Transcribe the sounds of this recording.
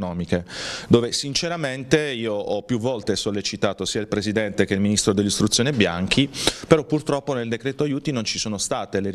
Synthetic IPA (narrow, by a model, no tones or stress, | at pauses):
nɔːmiked̪oːvesint͡ʃeɾament̪eiːoʔɔpːjuvːɔlt̪esolːet͡ʃit̪aːt̪osiːailpɾezid̪ɛnt̪ek̟eilminist̪ɾod̪elːist̪ɾut̪sːjoːnebja̰ŋk̟ʰipeɾɔpːurt̪ɾɔpːoneld̪ekɾɛːt̪oajuːt̪inont͡ʃisoːnost̪aːt̪ele